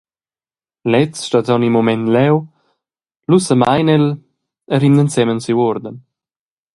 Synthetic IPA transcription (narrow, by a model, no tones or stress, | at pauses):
lɛt͡sʃt̪azɔwnimomɛnt̪lɛw | lusəmajnɛl | əɾimnənsɛmənsiwɔɾd̪ən